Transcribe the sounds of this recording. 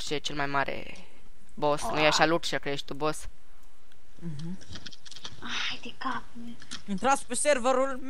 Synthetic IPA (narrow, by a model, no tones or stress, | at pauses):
ʃet͡ʃelmajmaɾʔḛ | bosməjeaʃaluʈʃəkeeʃt̪ubos | ɦ̩ | a | jd̪ikap | e | t̪ɾãspəseɾvəɾulm